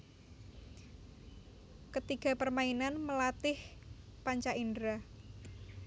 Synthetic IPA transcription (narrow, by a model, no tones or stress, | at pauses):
kət̪iɡ̥a̤pərmainanməlat̪ɪhpaɲt͡ʃaʔindɾa